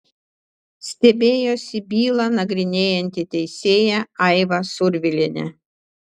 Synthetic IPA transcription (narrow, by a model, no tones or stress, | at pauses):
sʲt̪ʲɛbʲeːjoːsʲɪbʲiːlˠɐnɐɡɾʲɪnʲeːjɛnʲt̪ʲɪt̪ʲɛɪsʲeːjɛɐɪʋɐsʊɾʲʋʲɪlʲɪnʲɛ̰